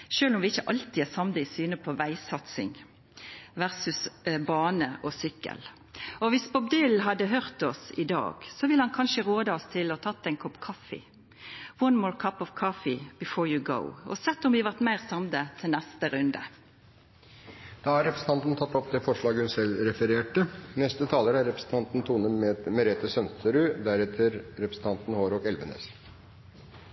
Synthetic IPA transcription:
ʃøːlɔmʋɪɪçːəʔɑlt̪ɪæsɑmd̪əɪsyːnəpʰɔʋæɪsɑt̪sɪ̰ŋ | ʋæʁsʉsbɑːnəʔɔsʏkːə̰l | ɔʋɪspʰɔbd̪ɪlɦɑd̪ːəɦøʁt̪ɔsɪ̰d̪ɑ̰ːɡ̥sɔʋɪlːhɑnkʰɑnʃəʁoːd̪əɑɔst̪ʰɪlɔt̪ʰɑt̪ːɛɪnkʰɔpkʰɑfɪ̰ | wɔnmɔːɹkʰɑpɔʋkʰɑfɪbɪfoːɹjuɡo̰ʊɔ̰sɛt̪ːɔmʋɪʋɑʁʈ̪mæɪʁsɑmd̪ət̪ʰɪlnɛst̪əɾʉnd̪ə̰ | d̪̥ɑːæɾɛpɾəsn̩t̪ɑnt̪n̩t̪ʰɑt̪ːɔpd̪ɛfɔʂɭɑːɡəhʉnsɛlɾɛfəɾeːʈənɛst̪ət̪ʰɑːləɾəæɾɾɛpɾəsn̩t̪ɑnt̪n̩t̪ʰuːnəmɛmɛɾeːt̪əsœnst̪ʰəɾʉːd̪æɾɛt̪ʰəɾɾɛpɾəsn̩t̪ɑnt̪n̩hoːɾɔkɛlʋənḛːs

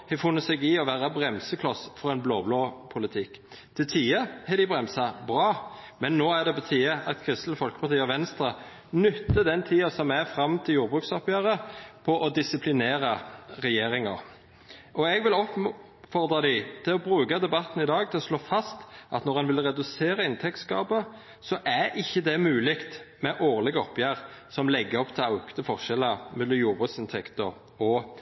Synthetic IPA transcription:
hɛfʊnːət̪sɛɡɪɔʋæːʁɑbʁɛmsəkʰlɔsfɔʁɛɪnblo̰ːbloːpʰʊlɪt̪ʰɪk | t̪ʰɪlt̪ʰiːəhɛd̪ɪbʁɛmsɑbʁɑːmɛnːoːæd̪ɛpʰɔt̪ʰiːɑʔɑt̪kʰɾʏst̪ləfɔlkəpʰɑʁt̪iːəɔʋɛnst̪ɾə | nʏt̪ləd̪ɛnt̪ʰiːɑsɔmæfɾɑmt̪ʰɪljuːɾbʁʉksɔpjøːʁəpʰɔʔɔd̪ɪsɪpʰlɪneːʁɑʁɛjeːɾɪŋɑ̰ʁ | ʔɔɛɡʋɪlɔp | fɔʁd̪ʁɑd̪ɪt̪ʰɪlɔbʁʉːɡɑd̪ɛbɑt̪ːn̩ɪd̪ɑːɡ̚t̪ʰɪlɔsloːfɑst̪ʔɑ̰t̪nɔʁɛnʋɪlʁɛd̪ʉseːɾɑɪnt̪ʰɛkt̪skɑːbə | sɔʔæɾɪçːəd̪ɛmʉːlɪkt̪mɛʔoːʁlɪɡəɔpjæːʁsɔmlɛɡːəɔpt̪ʰɛlɑʉkt̪əfɔʁʃɛlɑmɛlːɔmjuːʁbʁʉːksɪnt̪ʰɛkt̪ɔʁ | ɔ

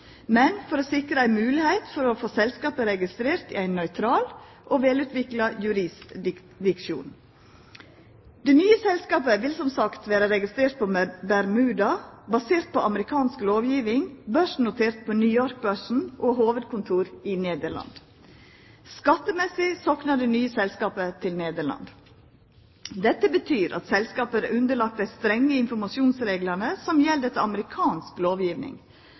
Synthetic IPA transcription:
mɛnfɔɾoːsɪkɾəæɪmʉːlɪhæɪt̪fɔɾɔfoːsɛlskɑːpəɾɛɡɪst̪ɾeːɾt̪ɪ̰æɪnːœʏt̪ʰɾɑːl | ʔoːʋeːlʉːt̪ʋɪklɑjʉɾɪs | d̪ɪkʃṵːn | d̪̥ɛnyːəsɛlskɑːpəʋɪlsɔmsɑkt̪ʋæːɾəɾɛɡɪst̪ɾeːɾt̪̚pʰɔbæɾmʉːd̪ɑbɑseːɾt̪̚pʰɔɑməɾɪkʰɑːnskloːʋjiːʋɪŋbœʂn̩nːʊt̪ʰeːɾt̪̚pʰɔnyjɔɾk̚bœʂn̩ʔoːɦoːʋəd̪̚kʰʊnt̪ʰuːɾɪneːd̪əɭɑ̰nd̪ | skɑt̪ːəmɛsɪsɔknɑd̪ɛnyːəsɛlskɑːpət̪ʰɪlneːd̪əɭɑ̰nd̪ | d̪ɛt̪ːəbət̪ʰyːɾʔɑ̰t̪sɛlskɑːpəɾʉnd̪əɭɑkt̪d̪æɪst̪ɾɛŋːəɪnfɔɾmɑʃuːnsɾeːɡlənəsɔmjɛld̪ət̪əɑməɾɪkʰɑːnskloːʋjiːʋnɪ̰ŋ

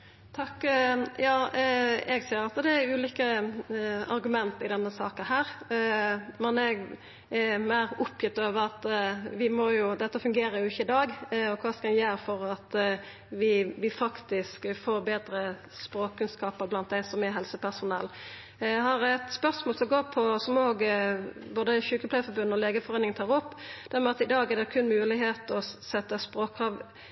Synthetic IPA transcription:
t̪ʰɑkːjɑː | ɛɡsiːɾɑt̪d̪ɛæɾʉːliːkə | ɑ̰ɾɡʉmɛnt̪ɪd̪ɛnːəsɑ̰ːkəhæːɾ | mɛnɛɡ | mæɪɾʊpjɪt̪ːoːʋəɾɑt̪ʋɪmɔjʊd̪ɛt̪ːəfʉŋɡeːɾəɾjʊɪçːəɪd̪ɑːɡɔkʰʋɑːskɑɛnjæːɾfɔɾɑt̪ | ʋɪʋɪfɑkt̪ɪskfoːɾbeːd̪ɾə | spɾoːkkʰːʉnskɑːpəɾblɑnt̪̚d̪æɪsɔmɛɦɛlsəpʰæsʊnɛlː | hɑɾæt̪spœɾsmɔːlsɔɡoːpʰɔsɔmoːɡboːd̪əçʉːkəpʰlæɪfɔɾbʉnːɔleːɡəfɔɾeːnɪŋnt̪ʰɑːʁɔpːd̪̥æɾmɛɑt̪ɪd̪ɑːɡɛd̪ɛkʰʉnmʉːlɪɦeːt̪ɔsɛt̪ːəspɾoːkʰːɾɑːʋ

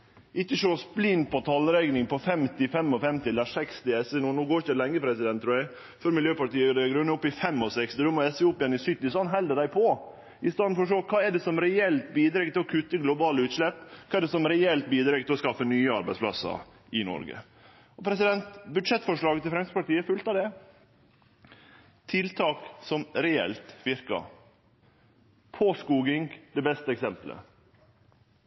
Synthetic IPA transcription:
ʔɪkːəʂoːsblɪnpʰɔt̪ʰɑlːɾɛɡnɪŋpʰɔfɛmt̪ɪfɛmːɔfɛmt̪ɪɛlːəɾʂɛkst̪ɪɛsɛnuːnuːɡoːɾçəlɛŋːəpʰɾɛsɪd̪ɛnt̪ʰːɾuːjɛæɪ | fœɾmɪljøːpɑʈiːəd̪ɛɡɾʉnːəɔpːɪfɛmːɔsɛkst̪ɪd̪ɔmɔɛsɛuːpjɛnːɪsʏt̪nɪsɑnɦɛld̪əɖ̪æɪpʰɔ | ɪst̪ɑːnfɔɾɔʂoːkʰɑːɛɖɛsɔmɾɛɛlt̪̚biːd̪ɾɛɡt̪ɪlɔkʰʉt̪ːəɡlʊbɑːləʉːt̪ʂlɛpːkʰɑːɛɖɛsɔmɾɛɛlt̪̚biːd̪ɾɛɡ̚t̪ɪlɔskɑfːənyːəɑɾbæɪspʰlɑ̰sə̰ | ɪnɔ̰ɾɡə̰ | ɔpʰɾɛsɪd̪ɛnt̪bʉd̪ʂɛt̪ːfɔʂɭɑːɡət̪ʰɪlfɾɛmspɑʈ̪iːəfʉlt̪ɑʋd̪ɛ | t̪ʰɪlt̪ʰɑːksɔmɾɛɛ̰lt̪ʋɪɾkɑ̰ | pʰoskuːɡɪŋd̪ɛbɛst̪əɛksɛmplə̰

